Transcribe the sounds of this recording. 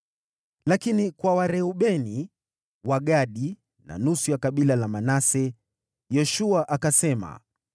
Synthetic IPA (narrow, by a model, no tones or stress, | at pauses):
lakinikwawaɾɛuɓɛni | waɠaɗi | na̰nusujakaɓilalamanasɛ | jɛʃuaʔakasɛma̰